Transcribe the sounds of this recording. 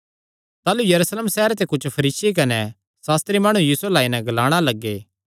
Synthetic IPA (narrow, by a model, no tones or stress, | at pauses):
t̪aːlujɐɾuːsleːmsɛɦɾt̪ekʊt͡ʃʰpʰɐɾiːsek̬ɐnɛ | saːst̪ɾimaːɽ̃ujiːsuelaːinɛ̃ɡɐlaːɽ̃alɐɡːeː